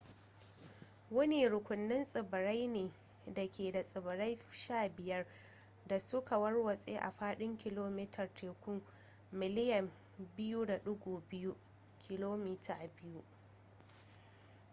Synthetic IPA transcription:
wɐ˦ne˨ɽʊ˨kʷʊ˨nːɪ˦nsʼɪ˨bɪ˨ɾa˦jneː˨ | da˨kʲeː˨da˨sʼɪ˨bɪ˨ɾa˦jʃaː˦˨bɪ˨jɐ˦r | da˨sʊ˦ka˨wɐ˦rwɐ˨sʼeː˦ʔa̰˨ɸaː˦ɗɪ˦ŋkʲɪ˨loː˦mi˦tʰɐ˨rtʰeː˨kʷʊ˦ | mɪ˨lɪ˦jɐ˨m | bɪ˦ju˦da˨ɗʊ˦ɡʷoː˨bɪ˦ju˦ | kʲʰɪ˨loː˦miː˦tʰaː˨bɪ˦ju˦ʔ

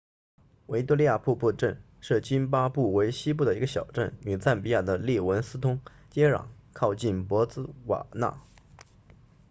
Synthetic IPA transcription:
we˧˥ɪt̪u˥li˥˧ja˥˧pʰu˥˧pu˥˧ʈ͡ʂə˥˧n | ʂɻ̩˥˩t͡ɕi˥np̬a˥pu˥˩we˧˥ɪɕi˥p̬u˥˩ə˩i˧˥ɡə˧ɕjɑ˨˩ʊʈ͡ʂə̰˥˩ny˨˩t͡sa˥˩npi˧˥ja˥˩d̪ə˩li˥˩wə˧˥nsɹ̩˥t̪ʰʊ˥ŋ | t͡ɕjɛ˥ɻɑ̰˨˩˦ŋkʰɑ˥˧ʊt͡ɕi˥˩npwɔ˧˥t͡sɹ̩˥wa̰˨˩na̰˥˩

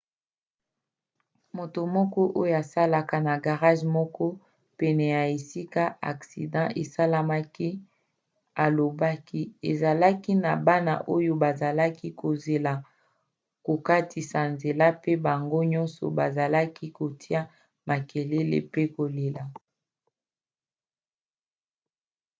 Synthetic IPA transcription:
mo˨to˨mɔ˦kɔ˦ʔo˦jo˦a˨sa˦la˦ka˦na˨ɡa˨ʁa˦ʒmɔ˦kɔ˦ | pɛ˨nɛ˨ja˨e˨si˦ka˦a̰˨ksi˨dɑ̃˦ʔe˨sa˦la˦ma˦ki˦ | a˨lo˨ba˦ki˦e˨za˨la˦ki˦na˨ba˦na̰˨ʔo˦jo˦ba˨za˨la˦ki˦kʰo˨ze˨la˨ | ko˨ka˦tʰi˨sa˨nze˨la˦pe˦ba˨ŋɡo˦ɲɔ̃˦nsɔ̰˨ba˨za˨la˦ki˦ko˨tʰi˦a˦ | ma˨ke˨le˦lḛ˦˨pe˦ko˨le˨la˨

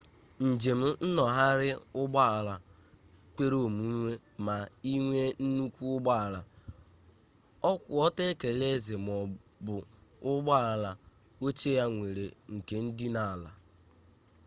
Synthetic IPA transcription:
n̩˨d͡ʒe˨m̩˦n̩˦nɔ˨ɦa˦ɾɪ˦ʊ˦ɡ͡ba˦a˨la˨ | kʷe˦ɾo˦˨mu˦ŋʷe˦ | ma˨i˦ŋʷe˦n̩˦nu˦kʷu˦ʊ˦ɡ͡ba˦a˨la˨ | ɔ˦kʷʊ˨ɔ˦te˦ke˨le˦ze˨m˨ɔ˨bʊ˨ʊ˦ɡ͡ba˦a˨la˨ | o˦t͡ʃe˦ja˦ŋʷe˨ɾe˨ŋ̩˨ke˨n̩˦dɪ˦na˨a˨la̰˨

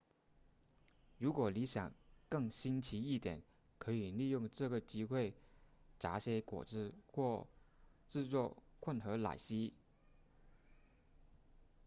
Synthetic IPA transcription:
ɻu˧˥kwɔ˨˩li˧˥ɕjɑ̰˨˩ŋkɤ˥˩ŋɕi˥nt͡ɕʰi˧˥i˥˩t̪jɛ̰˨˩˦n | kʰɤ˧˥i˨˩li˥˧jʊ˥˧ŋʈ͡ʂɤ˥˩ɡə˩t͡ɕi˥xwe˥˩ɪʈ͡ʂa˧˥ɕjɛ˧˥kwɔ̰˨˩ʈ͡ʂɻ̩˥˧xwɔ˥˧ | ʈ͡ʂɻ̩˥˧t͡swɔ˥˧kʰwə˥˩nxɤ˧˥la̰˨˩ɪɕi˥

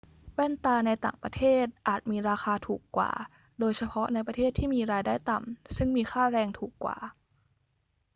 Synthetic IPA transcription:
wɛ˥˩nt̪aː˧na˧jt̪a̰ː˨˩ŋpɾa̰˧t̪ʰeː˥˩t̪̚ʔaː˨˩t̪̚miː˧ɾaː˧xʰaː˧t̪ʰuː˨˩kːwa̰ː˨˩ | doː˧jsʰa˧pʰɔ˦˥na˧jpɾa˧t̪ʰeː˥˩t̪ʰːiː˥˩miː˧ɾaː˧jdaː˥˩jt̪a˨˩msɯ˥˩ŋmiː˧xʰaː˥˩ɾɛː˧ŋt̪ʰuː˨˩kːwa̰ː˨˩

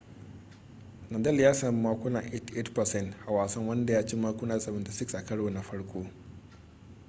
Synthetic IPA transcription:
nɐ˨dɐ˦ljaː˦sa˨m˦mːaː˦kʷʊ˦na̰˨ʔe˦te˦tpɐ˨sɛ˦ntha˨waː˨sɐ˦ŋwɐ˦nda˨jaː˦t͡ʃi˦maː˦kʷʊ˦naː˦˨sʼɐ˨mɐ˨ta˦sɪ˦ksʔa˨kɐ˦ɽo˨na˨ɸɐ˦ɽkʷʼoː˦

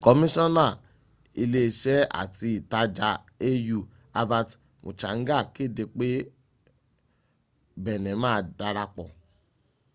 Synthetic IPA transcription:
kɔ˧mĩ˦sɔ̃˦na˦˨ | i˧le˦˧ʃɛ˦a̰˨ti˧i˨ta˧˦d͡ʒa˧ | e˦ju˧˨ | a˧ba˧t | mṵ˨t͡ʃa̰˨˦ŋ̩˦ɡa˦˨ki˦˨de˧k͡pe˦ | bɛ˨nɛ̃˨˦mãː˦˧˨da˧ɾa˧k͡pɔ˨

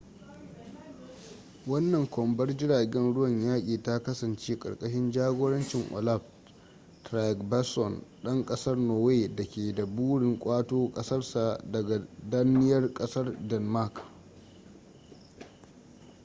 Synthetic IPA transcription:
wɐ˦nːɐ˨ŋkʷɔ˨mbɐ˦rd͡ʒɪ˦ɽaː˨ɡʲɛ˦nɽʊ˦wɐ˨ɲjaː˦kʲʼiː˨ta˦kɐ˦sɐ˨nt͡ʃeː˦kʼɐ̰˨rkʼɐ˦ʃɪ˦nd͡ʒaː˦ɡʷoː˦ɽɐ˦nt͡ʃɪ˨ŋʔɔ̰˨la˦b | tɾa˨kba˦sɔ˨nɗɐ˦ŋkʼɐ˦sɐ˦rnoː˨weː˦˨dɐ˨kʲeː˨da˨buː˦ɽɪ˨ŋkʷʼaː˦toː˦kʼɐ˦sɐ˦rsa˨dɐ˨ɡa˨dɐ˦nɪ˦jɐ˦rkʼɐ˦sɐ˦rdɛ˨nma˦k

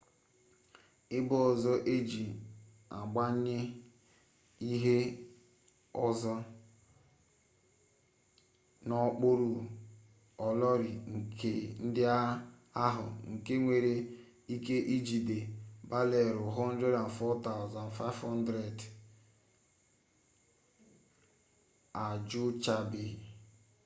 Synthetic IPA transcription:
ɪ˦bʊ˦ɔ˨zɔ˦ʔe˦d͡ʒi˨ | a̰˨ɡ͡ba˦ɲɪ˦ | i˦ɦe˦ | ɔ˨zɔ˦ | nɔ˦k͡pʊ˦ɾu˨ | ɔ˨lɔ˦ɾɪ˨ŋ̩˨kʰe˦n̩˦dɪ˦a˦ | a˦ɦʊ̰˨ŋ̩˨ke˦ŋʷe˨ɾe˦ | i˦ke˦ʔi˦d͡ʒi˨de˨ba˦le˨ɾʊ˨ɦɔ˦n̩˦dɾe˦da˨n̩˨fɔ˦ta˦ʊ˨za˨nfa˦vhɔ˦n̩˦dɾe˨d | a˨d͡ʒʊ˦t͡ʃa˦bɪ˨

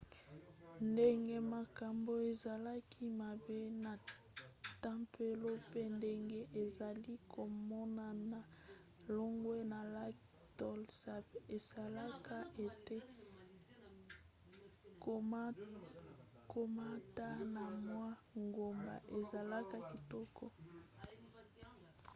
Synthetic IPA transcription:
nde˦ŋɡe˦ma˨ka˨mbo˨e˨za˨la˦kʰi˦ma˨be˦na˨ | ta˦mpʰe˦lo˦pe˦nde˦ŋɡe˦ʔe˨za˨li˦kʰo˨mɔ˦na˨na˨ | lo˦ŋɡwe˦na˨la˦k | tɔ˦lsa˨e˨sa˨la˦ka˦e˨te˦ | ko˨˦ | kʰo˦ma˦ta˦na˨mwa˦ŋɡo˨mba̰˨ʔe˨za˨la˦ka˦ki˨tɔ˦kɔ˦

